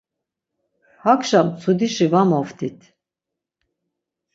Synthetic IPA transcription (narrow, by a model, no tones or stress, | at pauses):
hakʃamt͡sʰud̪iʃivamɔft̪ʰit̪ʰ